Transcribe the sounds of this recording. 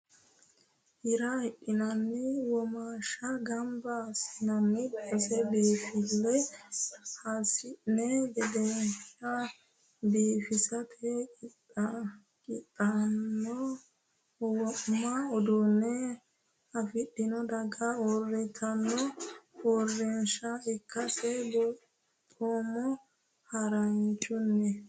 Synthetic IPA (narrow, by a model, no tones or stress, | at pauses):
hɪɾɐɪʔːɪnɐnːɪwɔmaːʃɐɡɐmbɐːsɪnɐnːɪbɛsɛbiːfɪlːɛ | hasɪnɛɡɛd̪ɛʃɐ | biːfɪsɐtʰɛkɪtʼːɐ | kɪtʼːɐnːɔ | wɔʔmɐɔd̪unːɛ | ɐfɪɗːɪnɔd̪ɐɡɐorːɪt̪ʰɐnːɔorːɛnʃɐɪkʰːɐsɛb | toːmɔ | hɐɾɐnt͡ʃʼːʊnːɛ